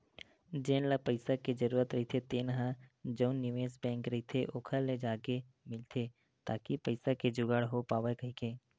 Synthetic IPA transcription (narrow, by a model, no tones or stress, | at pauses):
d͡ʒeːnləpəɪsaked͡ʒəɾuːɾət̪ɾɐɦit̪ʰet̪enɐɦãd͡ʒəʊnːɪʋeːsbɛ̃ːŋkɾɐɦit̪ʰeʔoːkʰəlːed͡ʒaːke | mɪlt̪ʰe | t̪aːkipəɪsaked͡ʒʊɡəɽɦopaːʋekɐɦikeː